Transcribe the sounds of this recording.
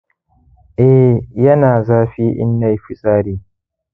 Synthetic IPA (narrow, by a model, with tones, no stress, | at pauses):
ʔɛ˦jɐ˦naː˨zaː˦ɸiː˦ʔɪ̰˦nːa˦jɸɪ˦sʼaː˦ɽiː˦